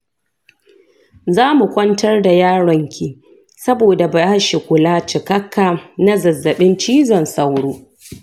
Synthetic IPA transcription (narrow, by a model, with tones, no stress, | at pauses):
zaː˦mu˨kʷɐ˦ntɐ˦rda˨jaː˦ɽɔ˨ŋkʲʰi˨ | sɐ˦boː˨da˨ba˨jha˦ʃɪ˨kʷʊ˨laː˦t͡ʃɪ˨kɐ˦kʰːaː˨na˦zɐ˨zːɐ˨ɓɪ˦nt͡ʃiː˦zɔ˨nsa˨wɽoː˦